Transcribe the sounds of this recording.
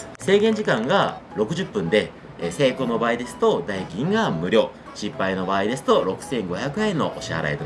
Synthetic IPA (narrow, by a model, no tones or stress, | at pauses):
se̞ːɡẽ̞ɲ̟d͡ʑikãŋɡaɾo̞kɯ̟ʑɨpːɯ̟̃nd̪e̞ | se̞ːko̞ːno̞baːid̪e̞sɨ̥t̪o̞d̪aiɡʲĩŋɡamɯ̟ɾʲo̞ː | ɕipːaino̞baːid̪e̞sɨ̥t̪o̞ɾo̞kɯ̟̥sẽ̞ŋɡo̞çakɯ̟ẽnːo̞ʔo̰ɕia̰ɾa̰et̪o